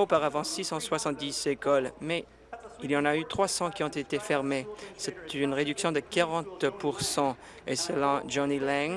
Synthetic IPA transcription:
opaʁavɑ̃sisɑ̃swasɑ̃t̪̚d̪isekɔlmɛ | iliɑ̃nayt̪χwasɑ̃kʲiɔ̃t̪et̪efɛʁmesɛt̪ynʁed̪yksjɔ̃d̪əkaʁɑ̃t̪puʁsɑ̃ | esəlɑ̃d͡ʒɔnilɛŋ

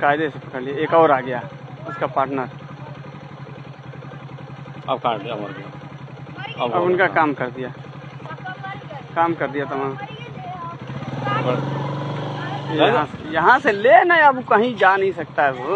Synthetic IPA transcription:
kaːɪd̪esepɐkəɾlieeːkɔːɾaːɡɐjaʊskapaːɾʈnəɾ | ɐ̰b̚kad̪a | ɐɐbʊnkakaːmkɐɾd̪ijaː | kaːmkɐɾd̪ijat̪ɐmãː | ɐɦãsejɐɦãselenaɛɐbkɐɦĩd͡ʒaːnɐɦĩsɐk̚t̪aɦɛbo

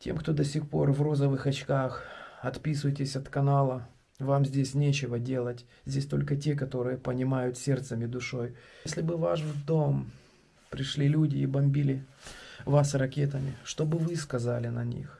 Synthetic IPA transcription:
tʲe̞̰mkt̪o̞d̪ɐsʲixpo̞rvro̞zəvɨxɐt͡ɕkaxɐt̪pʲisʊjtʲɪsʲɐt̪kɐnalˠə | vamzʲdʲesʲnʲet͡ɕɪvədʲe̞lˠətʲ | zʲdʲesʲt̪o̞lʲkətʲe̞k̬ɐt̪o̞ɾɨjəpənʲɪmajʊt̪sʲe̞rt̪səmʲɪd̪ʊʂo̞jsʲlʲɪbɨvaʂd̪o̞m | pɾʲɪʂlʲilʲudʲɪːbɐmʲbʲilʲɪ | vasrɐkʲet̪əmʲɪʂt̪o̞bɨvɨskɐzalʲɪnɐnʲḭx

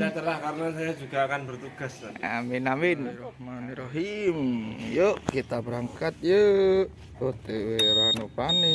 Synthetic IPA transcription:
sajat̪əlahkaɾənasajad͡ʒuɡaːkanbərt̪uɡasaminamɪnrɔhmaniɾoɦimjoʔkit̪abəɾaŋkat̪̚jə | ot̪eweɾanopani

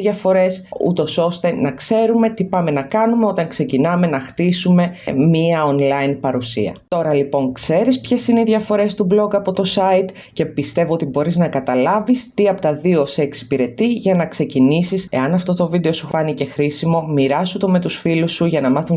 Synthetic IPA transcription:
ʝɐfo̞ɾe̞sṵt̪o̞so̞st̪e̞nɐkse̞ɾume̞t̪ipɐme̞nɐkɐnume̞o̞t̪ɐŋkse̞cinɐme̞nɐxt̪isume̞miɐonlɐinpɐɾusḭɐ̰t̪o̞ɾɐlipo̞ŋkse̞ɾispçe̞sineiðʝɐfo̞ɾe̞st̪ublo̞kɐpo̞t̪o̞sɐit̪ | ce̞pist̪e̞voo̞t̪ibo̞ɾiznɐkɐt̪ɐlɐvist̪iɐpo̞t̪ɐðio̞seːksi̥piɾe̞t̪iʝɐnɐkse̞cinisise̞̰ɐnɐft̪o̞t̪o̞vid̪e̞o̞sufɐnice̞xɾisimo̞miɾɐsut̪o̞me̞t̪usfilusːuʝɐnɐmɐθun

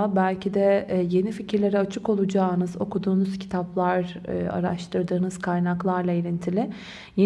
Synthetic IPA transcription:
bælʲcʰid̪ɛje̞nificʰiɾlʲe̞ɾɛat͡ʃʰɯko̞lˠud͡ʒaːnɯzo̞̰kud̪uːnuz̥cʰi̥t̪ʰaplˠaɾɯa̰ɾa̰ʃt̪ʰɯɾd̪ɯːnɯzkʰajnaklˠaɾlˠaiɾʲint̪ʰilʲɪ | je

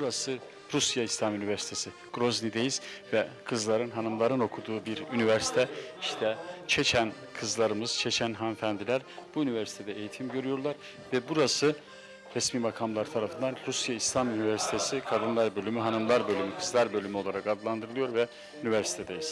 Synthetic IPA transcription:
buɾasɯ | ɾusjaislʲamynivæɾsi̥t̪ʰesi | ɡ̥ɾo̞znid̪ejiz̥vɛkʰɯzlˠaɾɯnɦanɯmlˠaɾɯno̞kʰud̪uːbiɾynivæɾsi̥t̪ʰɛiʃt̪ʰɛt͡ʃʰet͡ʃʰæn | kʰɯzlˠaɾɯmɯz̥t͡ʃʰet͡ʃʰænɦanfænd̪ilʲæɾb̥uynyvæɾsi̥t̪ʰed̪ɛejit̪ʰimɟø̞ɾyjo̞ɾlˠaɾ | vɛbuɾasɯ | ɾɛsmiːbakʰamlˠaɾt̪ʰaɾafɯnd̪anɾusjaislʲamynivæɾsi̥t̪ʰesikʰad̪ɯnlˠaɾbø̞lʲymyɦanɯmlˠaɾbø̞lʲymykʰɯzlˠaɾbø̞lʲymyo̞lˠaɾakad̪lˠand̪ɯɾɯlˠɯjo̞ɾvɛ | ynivæɾsi̥t̪ʰed̪ejiz̥

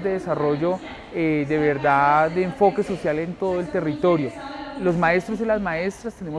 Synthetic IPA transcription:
zd̪e̞ðesaro̞ʝo̞ | ed̪e̞βe̞ɾd̪ad̪eːɱfo̞ke̞so̞sjale̞nt̪o̞ðoelt̪e̞rit̪o̞ɾjo̞lo̞zmae̞st̪ɾosilazmae̞st̪ɾast̪e̞nemo

